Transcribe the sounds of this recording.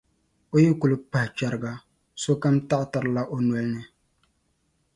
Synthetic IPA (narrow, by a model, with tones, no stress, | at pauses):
o˦ji˦kʊ˨lɨ˨pa˨hɪ˨t͡ʃa˨ɾɨ˨ɡa˨ | so˦ka˦mta˦ʔta˨ɾɨ˨la˦ʔo˦nwɛ˨˦lnɨ˨